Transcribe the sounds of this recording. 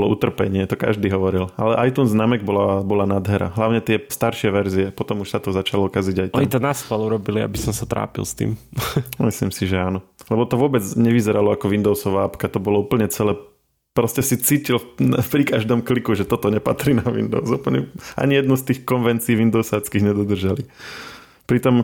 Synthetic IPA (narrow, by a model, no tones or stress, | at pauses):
ɔlɔut̪r̩pɛ̰ɲɪɛt̪ɔka̰ʒd̪iːɦɔʋɔɾilalɛʔajt̪unznaːmɛɡ̚bɔlabɔlanad̪ɦɛɾa̰ɦlaʊɲɛt̪ɪɛst̪aɾʃɪɛʋɛɾziɛpɔt̪ɔmuʃsat̪ɔzat͡ʃalɔkaziɟajt̪amt̪ɔnaskaluɾɔbilia̰bisɔmsat̪ɾa̰ːpḭlst̪ḭːmmislḭmsiʒɛaːnɔlɛbɔt̪ɔʋʊɔbɛd͡zɲɛʋizɛɾalɔakɔʋind̪ɔʊsɔʋaːapkat̪ɔbɔlɔuːpl̩ɲɛt͡sɛlɛː | pɾɔscɛsit͡siːcilpɾikaʒd̪ɔːmklikuʒɛt̪ɔt̪ɔɲɛpat̪ɾinaʋḭnd̪ɔ̰ʊsuːpl̩ɲɛ̰ʔa̰ɲijɛd̪nust̪iːxkɔnʋɛnt͡siːʋind̪ɔʊsaːt͡skiɣɲɛd̪ɔd̪r̩ʒali | pɾit̪ɔm